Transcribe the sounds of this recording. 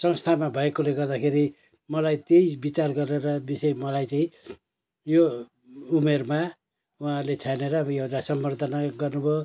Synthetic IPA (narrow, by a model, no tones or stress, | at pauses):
sʌŋst̪ʰamabʱʌekoleɡʌrd̪akʰeɾi | mʌlajt̪ejbit͡sarɡʌɾeɾʌbisʌjmʌlajt͡saĩ | jo | umerma | uãlet͡sʰaneɾʌjewʈasʌmbʌrd̪ʱʌnaɡʌrnubʱo